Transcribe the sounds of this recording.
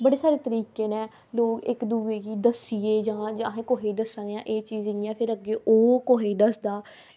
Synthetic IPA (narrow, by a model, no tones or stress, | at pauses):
bəɽeːsaːɾeːt̪əɾiːkeːneː | loːɡɪkd̪uːeːɡiːd̪əsiːeːd͡ʒãːd͡ʒɦẽːkoːɦeːd̪əsãːd̪ejã̰ːʔeːt͡ʃiːziãːpʰɪɾəɡeːʔoːkoːɦeːd̪əsd̪aː